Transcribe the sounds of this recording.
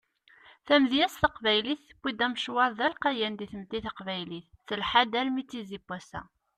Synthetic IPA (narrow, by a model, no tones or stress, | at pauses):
θæmðjæsθəqvæjliθːəbʷːid̪æmʃwɑɾðælqɑjænd̪iθəmt̪ːiθəqvæjliθːəlħad̪ælmit͡sːizibːæsæ̰